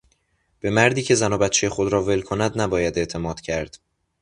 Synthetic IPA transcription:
b̥e̞mæɾd̪iːcʰe̞zænɒːbæt̪t͡ʃʰejexod̪ɾɒːve̞lkʰonæd̪næbɒːjæd̪e̞ʔt̪ʰe̞mɒːd̪̥cʰæɾd̪̥

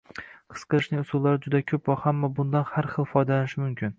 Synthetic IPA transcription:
qʰɨ̥sqʰɨlˠɪʃnɪŋʊsʊlˠːaɾɪd͡ʒʊd̪akʲʰɵpɾɒqhamːabʊnd̪anhaɾχɨlˠfɒjd̪alanɪʃɪmʊmkʲʰɪn

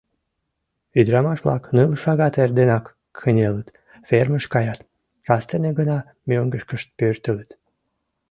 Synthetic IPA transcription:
yd̪ɾɑmɑʃβlˠɑ̰knɨlʃɑɣɑt̪erd̪enɑk | xənʲelət̪ | ferməʃkɑjɑt̪ | kɑst̪eneɡənɑ | mʲøŋɡəʃkəʃt̪̚pørt̪ələt̪

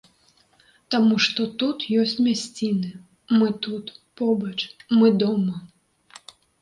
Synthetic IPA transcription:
t̪amuʂt̪ɔt̪ut̪jɔsʲt͡sʲmʲasʲt͡sʲinɨ | mɨt̪ut̪pɔbɐt͡ʂmɨd̪ɔmɐ

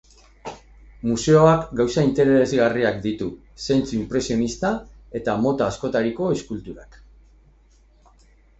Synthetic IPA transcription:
muse̞o̞akɡawsaint̪e̞ɾe̞ezɣariakd̪it̪u | se̞nt͡suimpɾe̞sio̞nist̪ae̞t̪amo̞t̪aːsko̞t̪aɾiko̞eskult̪uɾa̰k

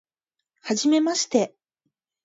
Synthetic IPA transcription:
haʑime̞maɕi̥t̪e̞

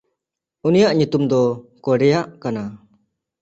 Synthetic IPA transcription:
unijaʔɲut̪umd̪ɔkɔɾɛjaʔkana

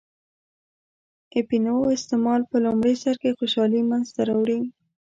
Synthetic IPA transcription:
epinoɪst̪emɑlpəlʊmɽesaɾkexoʃɑlimanzt̪aɾawɽi

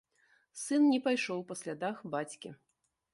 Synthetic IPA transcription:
sɨnnʲɛpajʂɔwpasʲlʲad̪axbat͡sʲkʲḭ

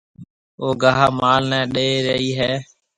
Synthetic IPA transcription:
oːɡaːɦaːmaːlnɛ̃ːɗeːɾəiːɦeː

